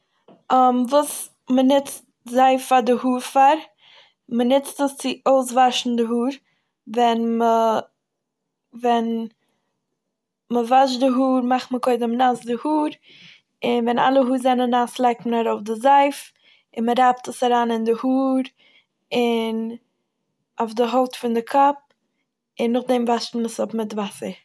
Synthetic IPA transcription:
ɔmvuːs | mənɪt͡st̚ | zaɪfaɾdɪhuːɾfaɾ | mənɪt͡stəst͡sɪoʊs̬vaʃn̩dɪɦuːɾ | vɛnmə | vɛn | məvaʃ̬dɪɦuːɾmaχtməkoɪdəmnasdɪhuːɾ | ɪnvɛna̰lˠəɦuːɾzɛnənaslˠaɪk̚tmənaɾoʊfdɪzaɪf | ɪnməɾaptəsaɾaːnɪndɪhuːɾ | ɪn | aʊfdɪɦoʊtfʊndɪkʰɔp̚ | ɪnːʊχdɛmvaʃtn̩məsɔpmɪtvasəɾ

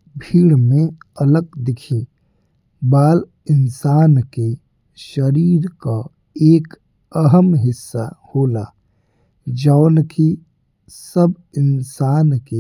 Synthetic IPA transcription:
bʱiːɽmẽələɡ̚d̪ɪkʰi | baːl | ɪnsaːnke | ʃəɾiːɾka | eːk | əɦəmɦɪsːahoːla | d͡ʒaːnkʰi | səb | ɪnsaːnke

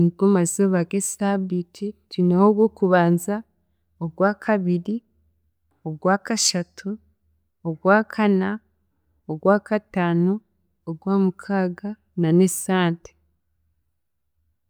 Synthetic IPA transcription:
ɡomazoβaɡesabitʰitwiːnahoɡwo̞kuβaːnza | oɡwaːkʰaβiɾi | oɡwaːkaʃatʰu | oɡwaːkʰana | oɡwaːkataːno | oɡwaːmukʰaːɡa | nanesaːnte̥

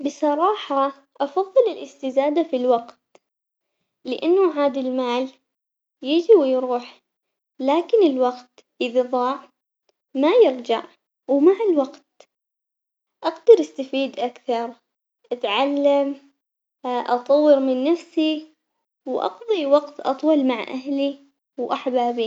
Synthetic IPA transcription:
bɪsˤɑɾˤɑːħɑ | ʔɑfɑðˤːɨlɪlʔɪst̪ɪzaːd̪afilwaɡt̪̚ | lɪʔanːʊʕaːd̪ɪlmaːl | jɪːd͡ʒɪwjɾuːħ | laːkɪnɪlwaqt̪ | ʔɪðiðˤɑːʕ | majɪɾd͡ʒaʕ | wmaʕɪlwaɡt̪̚ | ʔaɡd̪ɑɾˤʔast̪afiːd̪ʔakθɑɾˤ | ʔat̪ʕalːam | ʔɑt̪ˤɑwːɪɾmɪnːafsi | wʔɑ̰qðˤiwɑqt̪ʔɑ̰t̪ˤwɑlmaʕʔa̰ɦli | wʔaħbaːbi

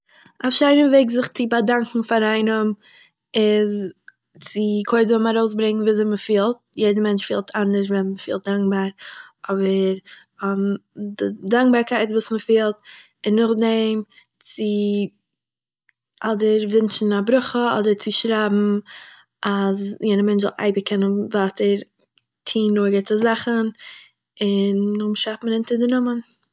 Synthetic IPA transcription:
aʃaɪnəveɪkzɪχt͡sɪbadaŋkŋ̩faɾaɪnəm | ɪz | t͡sɪkʰoɪdvɛmaɾoʊsbɾɪŋn̩viːzɛməfiːlˠt̚jeɪdəmɛnt͡ʃfiːlˠtʰandəʃ̬vɛməfiːlˠt̚daŋk̚baːɾɔbəɾ | mdɪdaŋk̚baːɾkʰaɪtvuːsməfiːlˠt | ɪnːʊχdɛm | t͡sɪ | ʔɔdəɾvɪnt͡ʃn̩abɾʊχəɔ̰dəɾt͡sɪʃɾaːbm̩ | ʔazjɛɪdəmɛnt͡ʃɛ̰lˠʔa̰ɪbəkʰɛnənvaːtəɾ | tʰiːnːoːɡɪtəzaχən | ɪnʊmʃafməɾɪntəɾdɪnʊmən

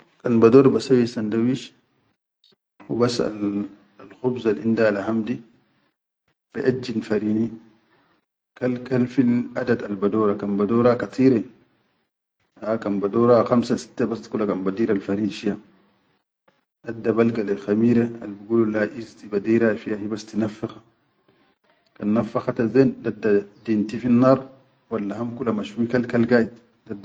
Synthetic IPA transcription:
kanbadoːɾbasawisandawiʃ | wubasa̰l | lxubzalʔindalaɦamdi | b̥ḛʔad͡ʒːinfaɾiːni | kalkalfilʔadad̪albadoːɾakanbadoːɾakat̪ʰiːɾe | hakanbadoːɾaxamsasi̥t̪ːebast̪kulːakanbadiːɾalfaɾiːnʃija | dadːabalɡalelxamiːɾealbuɡululaʔizt̪ibadiːɾafijahibast̪inafːaxḁ | kanːafːaxat̪azendadːadint̪ifinːaːɾˤ | walːahamkulamaʃuikalkalɡaʔit̪ | dadː

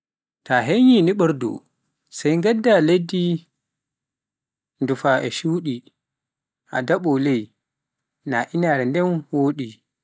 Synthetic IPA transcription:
taɦeɲiniɓəɾdṵ | sajŋɡadːaledi | ndufaʔɛʃuːɗi | ʔa̰daɓɔlej | naʔinaɾɛndɛnwoːɗi

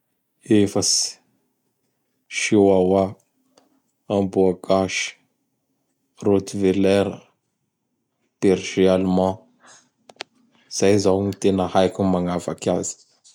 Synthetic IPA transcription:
efəsi̥ | ʃiwawa | ambuaɡaʃi̥ | rot̪ivelɛɾə | peɾʒialmɑ̃ | z̥ajzawɲit̪enəhajkʲumaŋafakazi̥

